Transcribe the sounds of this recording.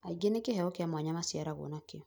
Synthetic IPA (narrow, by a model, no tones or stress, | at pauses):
aiɡenekehɛɔkeamwaɲamasiaɾaɣo̰nakeɔ